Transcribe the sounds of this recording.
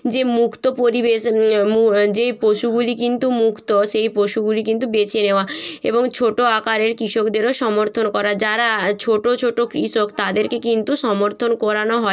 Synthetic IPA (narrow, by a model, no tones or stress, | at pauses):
d͡ʑemukt̪opoɾibeʃmud͡ʑepɾoʃuɡulikint̪umukt̪oʃejpɾoʃuɡulikint̪̬ubet͡ɕʰeneoaeboŋt͡ɕʰoʈoakaɾeɾkɾiʃokd̪eɾoʃɔmoɾt̪ʰonkɔɾad͡ʑaɾat͡ɕʰoʈot͡ɕʰoʈokɾiʃokt̪ad̪eɾkekint̪uʃɔmoɾt̪ʰonkɔɾanoɦɔe